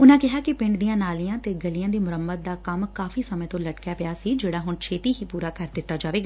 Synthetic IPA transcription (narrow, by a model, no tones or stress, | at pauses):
ʊnãːkɪɦaːkɪpɪ̃ɳɖd̪ijãːnaːlijãːt̪eːɡəlijãːd̪iːmʊɾəmbət̪̚d̪aːkəmkaːfiːsəmẽt̪õːləʈkjaːpɪjaːsiːd͡ʒeːɽaːɦʊnt͡ʃʰeːt̪iːɦiːpuːɾaːkəɾd̪ɪt̪ːaːd͡ʒaːʋeːɡaː